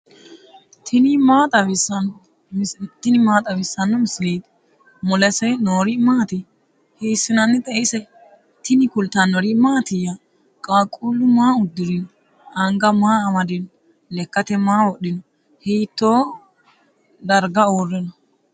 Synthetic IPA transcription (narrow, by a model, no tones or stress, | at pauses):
t̪ʰɪnɪmaːt̪ʼɐβɪsːɐn | mɪst̪ːɪnɪmaːt̪ʼɐβɪsːɐnːɔmɪsliːd̪ | mɔlɛsɛjnoːɾɪmaːt̪ɪ | hiːsːɪnɐnːɪt̪ʼɛʔɪsɛ | t̪ɪnɪkʊlt̪ːɐnːɔɾɪmaːt̪ɪja | kʼaːkʼulːʊmaːʊd̪ːɪɾɪnɔ | ɐŋɡɐmaːɐmɐd̪ɪn | lɛkːɐt̪ɛmaːwɔɗɪnɔ | hiːt̪ːoː | d̪ɐɾɡɐoːrːɪnɔ